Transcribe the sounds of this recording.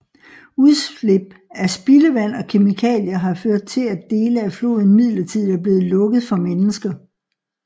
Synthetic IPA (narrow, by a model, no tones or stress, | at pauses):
uðˠsle̝b̥̚æsb̥iləʋæn̰ɒ̽kʰe̝mikʰɛ̰ːljɐɦɑ̈føɐ̰d̥̚t͡sʰe̝læd̥e̝ːləæflo̝̰ːðˠn̩mið̰ˠlɐt͡sʰið̰ˠæɐb̥le̝ːð̩ˠlɔ̽ɡ̥əð̩ˠfɒ̽menəsɡ̥ɐ